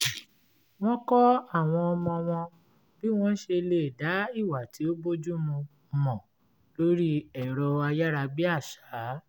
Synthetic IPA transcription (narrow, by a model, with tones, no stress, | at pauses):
w̃ɔ̃˦kɔ˦a˦˨w̃ɔ̃˧ɔ˧mɔ̃˧w̃ɔ̃˧ | bi˦w̃ɔ̃˦n̩˦ʃe˧le˦˨da˨˦i˦˨wa˨tʰi˨˦o˦bo˦d͡ʒu˦mũ˧ | mɔ̃˨ | lo˦ɾi˦ɛ˨ɾɔ˧a˧ja˦ɾa˧bi˦a˦˨ʃa˨˦